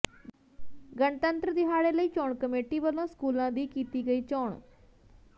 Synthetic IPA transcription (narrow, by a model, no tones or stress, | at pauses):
ɡəɳt̪ə̃nt̪ɾəd̪ɪɦaːɽeːləiːt͡ʃɔːɳkəmeːʈiːʋəlõːskuːlãːd̪iːkiːt̪iːɡəiːt͡ʃɔːɳ